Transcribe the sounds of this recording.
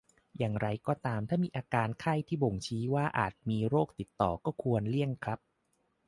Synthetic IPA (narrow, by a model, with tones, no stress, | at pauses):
jaː˨˩ŋɾa˧jkɔː˧˩t̪aː˧mt̪ʰaː˥˩miː˧ʔaː˧kaː˧nkʰa˥˩jt̪ʰiː˥˩bo˨˩ŋt͡ɕʰiː˦˥waː˥˩ʔa̰ː˨˩t̪̚miː˧ɾoː˥˩k̚t̪i˨˩t̪ːɔ̰ː˨˩kɔː˥˩kʰu˧ənli˥˩əŋkʰɾa˦˥p̚